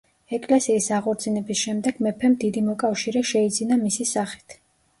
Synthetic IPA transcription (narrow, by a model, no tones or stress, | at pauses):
ɛkʼlɛsiːsaʁɔɾtd̪sinɛbisʃɛmd̪ɛɡ̥mɛpʰɛmd̪id̪imɔkʼafʃiɾɛʃɛid̪zinamisisaχi̥t̪ʰ